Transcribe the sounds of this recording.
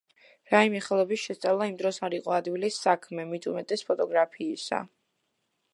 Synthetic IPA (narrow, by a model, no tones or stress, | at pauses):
ɾaimɛχɛlˠɔbisʃɛst̪sʼavlˠaimd̪ɾɔsaɾiqʼɔad̪ɡwilisːakʰmɛmit̪ʰʼumɛt̪ʼɛspʰɔt̪ʼɔɡɾapʰiːsa̰